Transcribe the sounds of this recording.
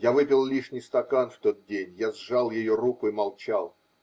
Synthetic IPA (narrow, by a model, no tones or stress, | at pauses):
javɨpʲɪlˠlʲiʂnʲɪjst̪ɐkanft̪o̞t̪̚dʲenʲjazʐalˠjɪjoɾukʊimɐlˠt͡ɕalˠ